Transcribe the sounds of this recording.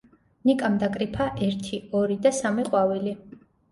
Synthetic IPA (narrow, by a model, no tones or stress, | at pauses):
nikʼamd̪akʼɾipʰaʔɛɾt̪ʰiɔɾid̪asamiqʼwavili